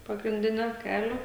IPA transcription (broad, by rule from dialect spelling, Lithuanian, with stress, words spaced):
pɐɡrʲɪnʲˈdʲɪnʲoː ˈkʲæːlʲoː